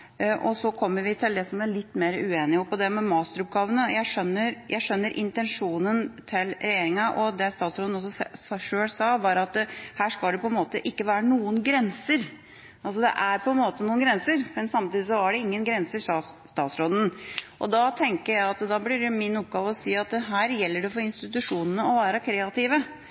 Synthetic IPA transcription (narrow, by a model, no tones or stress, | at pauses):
ʔɔsɔkʰɔmːəɾʋɪt̪ʰɪld̪ɛsɔmæɾɭɪt̪ːmeːɾəʉeːnɪɔpɔd̪ɛmɛmɑːst̪əɾʊp̚ɡɑːʋənəjæɪʂœnːəɾjʔæɪʂœnːəɾʔɪ̰nt̪ɛnʂuːnənt̪ʰɪlɾɛjeːɾɪŋɑʔɔd̪ɛst̪ɑːt̪sɾoːd̪n̩ɔs̬ːɔssʂøːlsɑːʋɑɾɑt̪hæːʂkɑld̪ɛpɔɛnmoːt̪əʔɪkːəʋæːɾənuːənɡɾɛnsəɾ | ɑls̬ɔd̪ɛ̰ʔæɾpʰɔɛnmoːt̪ənuːənɡɾɛnsəɾmɛnsɑmt̪iːd̪ɪs̬ɔæɖɛɪŋːənɡɾɛnsəʂɑst̪ɑːt̪sɾoːd̪ən̩ʔɔ̰d̪ɑt̪ʰɛŋkəɾjæɪɑt̪d̪ɑblɪɾmɪnʊp̚ɡɑːʋəɔsiːɑt̪ɦæːɾjɛlːəɖɛfɔɾɪnst̪ɪt̪ʉʂuːnənəɔʋæːɾəkʰɾeːɑt̪ʰɪːʋə